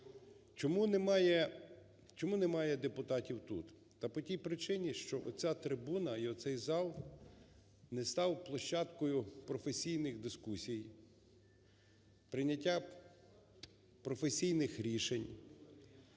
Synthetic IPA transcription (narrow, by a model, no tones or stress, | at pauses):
t͡ʃɔmunmjɛ | t͡ʃɔmunɛmɑjɛd̪epʊt̪ɑtʲiwt̪ut̪ | t̪ɐpɔtʲijpɾɪt͡ʃɪnʲiʃt͡ʃɔʔɔ̰t͡sʲat̪ɾɪbunɐiɔsɛjzɑlˠ | nɛst̪ɑwplˠɔʃt͡ʃːɑt̪kɔjʊpɾɔfesʲijnɪxd̪ɪskusʲij | pɾɪnʲɐtʲːa | pɾɔfesʲijnɪxɾʲiʃenʲ